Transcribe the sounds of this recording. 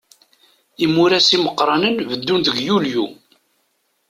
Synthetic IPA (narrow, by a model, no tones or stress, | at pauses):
imuɾæsiməqːɾˤɑnənvəd̪ːunðəɡjulju